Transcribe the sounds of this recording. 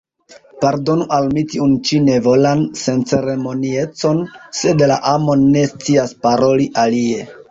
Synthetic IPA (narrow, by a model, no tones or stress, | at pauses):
paɾdo̞nuʔalmitiunt͡ʃine̞vo̞lanse̞nt͡se̞ɾe̞mo̞nie̞t͡so̞nse̞dla̰ʔamo̞nːe̞st͡siaspaɾo̞liʔalie̞